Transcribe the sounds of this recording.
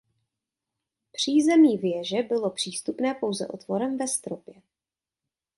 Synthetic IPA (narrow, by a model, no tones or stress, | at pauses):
pr̝̥iːzɛmiːvjɛʒɛbɪlo̞pr̝̥iːst̪upnɛːpo̞wzɛ̰ʔo̞̰t̪vo̞ɾɛmvɛst̪ɾopjɛ